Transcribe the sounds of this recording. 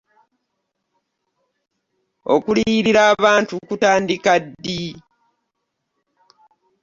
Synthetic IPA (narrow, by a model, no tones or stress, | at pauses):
o̰kuliɾiɾaːβaːntukutaːndikadːi